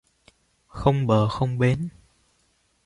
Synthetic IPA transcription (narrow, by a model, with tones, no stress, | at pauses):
xə˧wŋ͡mɓəː˨˩xə˧wŋ͡mɓe˨˦n